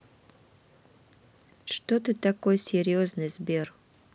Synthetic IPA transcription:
ʂt̪ot̪ɨt̪akojsʲeɾʲoznəjzbʲer

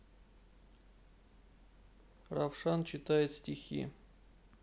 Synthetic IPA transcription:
rafʂant͡ɕɪt̪ajɪt̪sʲtʲɪxʲḭ

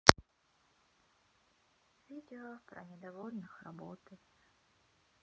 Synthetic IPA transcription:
vʲidʲɪopɾɐ̰nʲɪd̪ɐvolʲnɨxrɐ̰bot̪ɨ

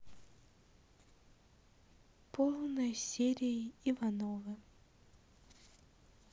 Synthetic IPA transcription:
pʰɔlˠnɔjsʲɛɾʲijiiʋanɔʋɨ

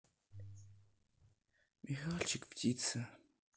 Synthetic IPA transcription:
mixaːɬt͡ʃʰɪkptʰiːt͡sʰɐ

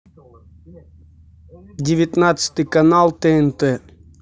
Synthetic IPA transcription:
dʲɪvʲɪt̪nat̪sɨ̥t̪ɨjkanalˠt̪ɛɛnt̪ɛ

